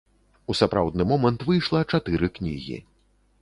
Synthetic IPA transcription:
usapɾa̰wd̪nɨmɔmɐnt̪vɨjʂlˠɐt͡ʂat̪ɨɾɨknʲḭɣʲḭ

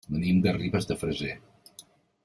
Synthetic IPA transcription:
bənimd̪əriβəzðəfɾəze

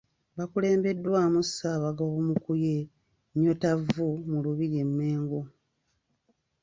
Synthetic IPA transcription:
βakule̞ːmbe̞dːwaːmusaβaɡoɣomukuje | ɲotavumuluβiɾie̞mːe̞ːŋɡo

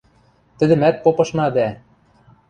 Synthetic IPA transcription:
t̪ɘ̆d̪ɘ̆mæt̪̚popɤ̆ʃnɑd̪æ

